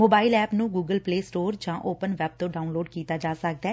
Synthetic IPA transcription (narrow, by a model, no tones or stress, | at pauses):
moːbaːɪlɛːpnũːɡuːɡəlpleːsʈoːɾd͡ʒãːʔoːpənʋɛːb̚t̪õːɖaːʊnloːɖkiːt̪aːd͡ʒaːsək̚d̪ɛː